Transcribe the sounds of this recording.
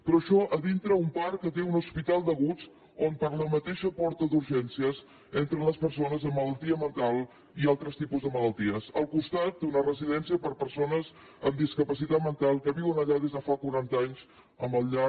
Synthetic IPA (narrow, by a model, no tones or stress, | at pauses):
pɾɔəʃɔʔəðint̪ɾəumpaɾkət̪eunuspit̪alˠd̪əɣut͡s | ompəɾləmət̪eʃəpɔɾt̪əðuɾʒɛnsiəz | ent̪ɾənləspəɾsonəzəmːələlˠt̪iəmənt̪alˠ | ialˠt̪ɾəst̪ipuzðəmələlˠt̪iəsəlˠkust̪at̪̚d̪unərəziðɛnsiəpəɾpəɾsonəz | əmd̪iskəpəsit̪at̪̚mənt̪alˠkəβiwənəʎaðezðəfakuɾant̪aɲz | əmbəlʎa